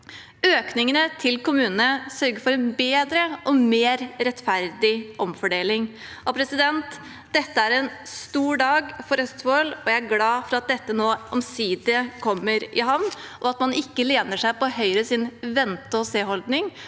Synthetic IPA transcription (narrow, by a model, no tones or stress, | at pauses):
øːknɪŋənət̪ʰɪlkʊmʉːnənəsœɾɡəfɔɾɛnbeːd̪ɾəʔɔmeːɾɾɛt̪fæɾd̪ɪʔɔmfɔɖeːlɪŋ | ɔpʰɾɛsɪd̪ɛnt̪ | d̪̥ɛt̪ːəæɾɛnst̪uːɖɑːɡfɔɾœst̪ʋɔlɔjæɪæɾɡlɑːfɔɾɑt̪̚d̪ɛt̪ːənoːʔɔmsiːd̪əkʰɔmːəɾɪɦɑʋnʔɔɑt̪mɑnɪkːəleːnəʂæɪpɔhœʏɾəsɪnʋɛnt̪əɔseːɦɔld̪nɪŋ